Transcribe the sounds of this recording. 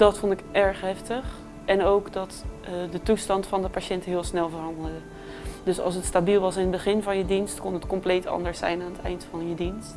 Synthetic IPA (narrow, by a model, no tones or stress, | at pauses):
d̥ɑtfɔntɪkʔɛɹχɦɛftəχ | ɛnowkdɑtdətustɑntfɑndəpaːʃɛntəɦɪːlˠsnɛlˠvəɹrɦɑndəlˠdə | d̥ɵsɑ̰lˠs̬ətstabilˠʋɑsɪnədbəχɪnvɑnjədinstkɔnɦətkɔmplejtɑ̰ndəɹsɛ̰jnaːnətɛ̰jntfɑnjədinst